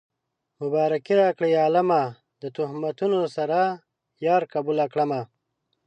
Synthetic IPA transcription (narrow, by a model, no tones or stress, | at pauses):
mʊbɑːɾakiɾaːkɽejaːlama | d̪ət̪uhmat̪unosaɾa | jɑːɾkabulakɽama